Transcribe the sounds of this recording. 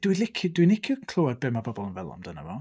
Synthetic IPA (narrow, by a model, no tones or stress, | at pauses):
d̥wilɪkʰʊdwinɪkʰjʊkʰlˠoad̚beːmabɔbɔlˠənvɛlˠɔ̰mdəna̰vɔ